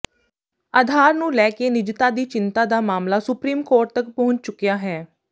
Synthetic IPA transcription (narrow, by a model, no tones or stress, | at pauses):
aːd̪ʱaːɾnũːlɛːkeːnɪd͡ʒt̪aːd̪iːt͡ʃɪnt̪aːd̪aːmaːmlaːsʊpɾiːmkoːʈ̚t̪ək̚pəɦʊ̃ɲt͡ʃt͡ʃʊkijaːɦɛː